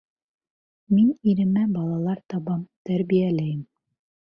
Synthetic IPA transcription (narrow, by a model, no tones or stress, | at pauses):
miniɾɘ̆mæbɑlˠɑlˠɑɾt̪ɑβɑmt̪æɾβijælæjɘm